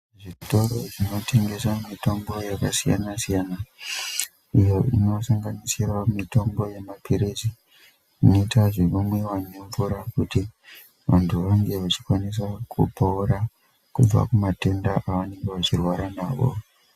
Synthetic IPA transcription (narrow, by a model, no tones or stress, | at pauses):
ʐito̞ɾo̞ʐino̞tʰe̞ŋɡe̞samito̞mbo̞jakasija̰nasijaːna | ijo̞ʔino̞saŋɡanisirwamito̞mbo̞je̞mapʰiɾezi | ino̞itaʐeʋamwe̞waɲuɱvuɾakuti | ʋa̰ntʰuʋaŋɡe̞ʋat͡ʃi̥kwanis̬akṵpouɾa | kub͡va̰kumate̞ndaʔaʋane̞ŋɡeʋat͡ʃirwaɾanaːʋo̰